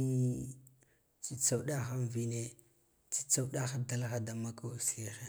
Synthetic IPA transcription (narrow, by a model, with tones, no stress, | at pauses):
t͡si˦t͡sa˦˨wɗa˦xa˦nvi˦ne˦ | t͡si̥˦t͡sa˦wɗa˦xa˦da˦lxa˦da˨ma˦ka˦˨si˦xe˨